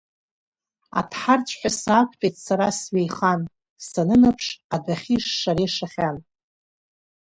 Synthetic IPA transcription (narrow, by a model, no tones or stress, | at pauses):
a̰tʰħart͡sʷʰʼħʷᶣasaːkʷʰʼpʼejtʰʼsaɾasɥejχan | sanɨnɨpʰʂadaχʲiʂːaɾiʂaχʲan